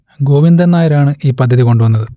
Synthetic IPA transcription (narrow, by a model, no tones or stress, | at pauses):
ɡo̞ːʋind̪ɐnːaːjɐɾaːɳɨʔiːpɐd̪ʱːɐðiko̞ɳɖuʋɐnːɐðɨ